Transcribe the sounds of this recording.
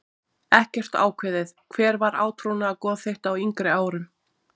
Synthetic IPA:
ɛhcɛr̥t̪a̰ːwkʰvɪːðɪθkʰv̥ɛːɾvaɾa̰ːwt̪ʰɾuwnaːkɔːðθejht̪awiŋkɾɪaːwɾʏm

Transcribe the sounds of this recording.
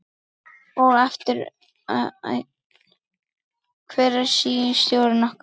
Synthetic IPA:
ɔɣaft̪ɪɾ̰ | kʰvɛːɾaɾ̥siːɪst̪jowɾɪnɔhk

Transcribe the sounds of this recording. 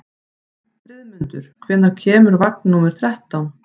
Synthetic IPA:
fɾɪðmʏnt̪ʏɾ̥kʰvɛnːaɾcʰɛːmʏɾvak̚nnumɛɾ̥θɾɛht̪awn

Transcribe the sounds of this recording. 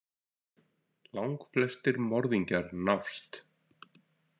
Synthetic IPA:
lawŋkflɛst̪ɪɾmɔɾðiɲcaɾnafst̪

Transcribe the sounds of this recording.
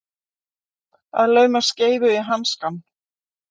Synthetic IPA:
a̰ðlœːɥmḁsceːjvʏɪɦanskanː

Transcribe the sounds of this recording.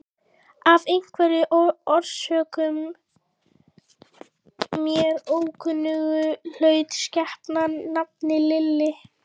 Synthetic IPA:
avejŋ̥kʰvɛɾɪʔɔɾ̥sœːkʏm | jɛɾoːwkʰʏnːʏɣʏl̥œːɥt̪scɛhpnanap̚nɪlɪlːɪ

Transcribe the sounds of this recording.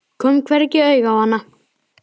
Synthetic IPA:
kʰœmkʰvɛɾcɪœːɥɣawhanːa

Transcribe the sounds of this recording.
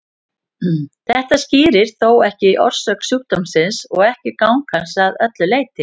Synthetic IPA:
θɛht̪ascɪːɾɪɾ̥θoːwɛhcɪʔɔ̰ɾ̥sœːksuːk̚t̪ɔmsɪnsɔɣɛhcɪkawŋkʰansaðœt̪lʏleːjt̪ɪ

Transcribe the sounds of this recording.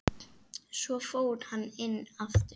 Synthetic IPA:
sɔfowðhanɪnːaft̪

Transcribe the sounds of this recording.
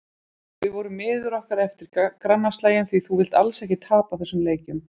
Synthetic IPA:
vɪðvɔɾʏmːɪːðʏɾɔhkaɾɛft̪ɪɾ̥akɾanːast̪laːjɪnθviθuvɪl̥t̪alsɛhcɪt̪ʰaːpaθɛsːʏmleːjcʏm

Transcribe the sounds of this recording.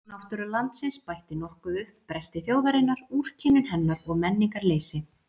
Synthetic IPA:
nawht̪ʏɾʏlant̪sɪnspajht̪ɪnɔhkʏðʏhppɾɛst̪ɪθjoːwðaɾɪnːaɾur̥cʰinʏnɦɛnːaɾɔɣmɛnːiŋkaɾleːjsɪ

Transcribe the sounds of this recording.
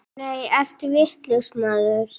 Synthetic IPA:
neːjɛr̥t̪ʏvɪht̪ləwsmaːðʏɾ̥

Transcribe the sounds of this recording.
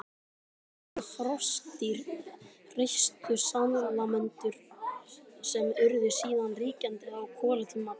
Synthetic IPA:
fɾɔst̪iɾ | rejçst̪ʏsanlamɛnt̪ʏɾ̥ | sɛmʏɾðɪsiːðanriːcant̪ɪawkʰɔːlat̪ʰʏma

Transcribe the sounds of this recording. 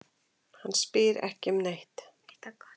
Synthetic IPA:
hanːspɪːɾɛ̰hcɪmnejht̪

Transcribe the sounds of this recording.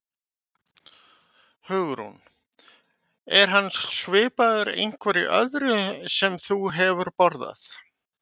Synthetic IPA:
hʏɣɾṵn | ɛɾ̥ɦanːsvɪːpaðʏɾḛjŋ̥kʰvɛɾiʔœ̰ðɾʏsɛmθuɦɛvʏɾpɔɾða̰θ

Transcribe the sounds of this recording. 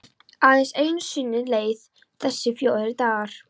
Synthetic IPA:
aðɛnseːjnsʏnːɪleːjð | θɛsːɪfjoːðɪɾt̪aːɾ̥

